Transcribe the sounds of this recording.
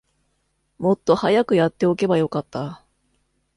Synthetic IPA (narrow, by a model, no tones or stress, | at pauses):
mo̞t̪ːo̞hajakɯjat̪ːe̞o̞ke̞bajo̞kat̪ːa